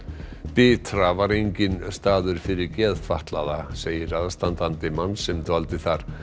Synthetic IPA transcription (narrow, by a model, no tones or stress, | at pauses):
pɪːt̪ɾavaɾejɲcɪnst̪aːðʏɾ̥fɪɾɪɾcɛːðt̪faht̪laðaseːjɪɾaðst̪ant̪ant̪ɪmanːsɛmt̪valt̪ɪθaɾ̥